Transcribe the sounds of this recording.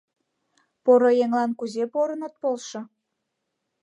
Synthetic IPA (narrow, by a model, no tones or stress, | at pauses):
poɾojeŋlɑnkuzepoɾənət̪̚polʃŏ